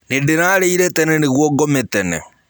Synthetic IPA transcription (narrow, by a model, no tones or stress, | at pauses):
nendenaːɾeiɾɛtɛnɛneɣwɔɡɔmetɛnɛ̰